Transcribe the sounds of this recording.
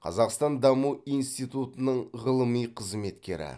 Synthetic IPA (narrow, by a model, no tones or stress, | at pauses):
qʰɑ̰zɑqst̪ɑnd̪ɑmuijnst̪ijt̪ut̪ənəɴʁəlˠəmijqʰəzme̞t̪kʲe̞̰ɾɪ̰